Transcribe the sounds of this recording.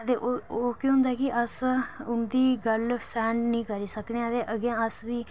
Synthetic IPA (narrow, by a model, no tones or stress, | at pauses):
t̪eːʔooːkiɦʊ̃nd̪aɛːkɪʔəsʊnd̪iːɡəlsɛ̃ːɳɖnĩːkəɾiːsəkneːad̪eːʔəɡãːəsʋiː